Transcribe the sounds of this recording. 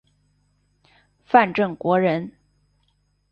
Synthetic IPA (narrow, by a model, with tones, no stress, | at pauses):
fa˥˧nʈ͡ʂɤ˥˩ŋkwɔ˧˥ɻə˧˥n